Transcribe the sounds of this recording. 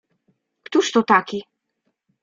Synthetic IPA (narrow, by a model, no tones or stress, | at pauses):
kt̪uʂt̪ɔt̪akʲi